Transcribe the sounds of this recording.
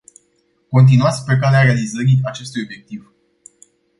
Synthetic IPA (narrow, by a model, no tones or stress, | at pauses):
ko̞nt̪̬inuat̪sʲpɾe̞k̬aleaɾe̞alizəɾiat͡ʃe̞st̪ujo̞bje̞k̚t̪iv